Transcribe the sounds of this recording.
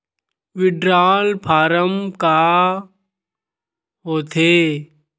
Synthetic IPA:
ʋɪɖɾaːlpʰaːɾəmkaː | ɦoːt̪ʰeː

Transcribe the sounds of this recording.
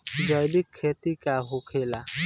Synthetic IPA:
d͡ʒɔjlikʰːet̪ikaɦokʰela

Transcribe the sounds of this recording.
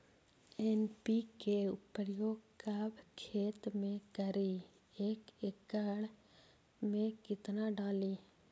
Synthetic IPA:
eːnpikeʊpəɾjoːɡkaːbkʰeːt̪mẽkəɾi | eːkekːəɽ | mẽkɪt̪naɖaːliː

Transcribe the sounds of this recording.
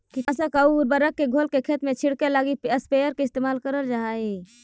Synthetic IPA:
kiəsəkəuɾbəɾəkːeɡʱolkekʰet̪met͡ʃʰiɽkelaɡiəspejəɾkeɪst̪emaːlkəɾəld͡ʒai

